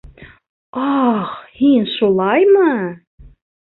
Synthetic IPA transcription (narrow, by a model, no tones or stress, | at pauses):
ɑχhinʃulˠɑjmɤ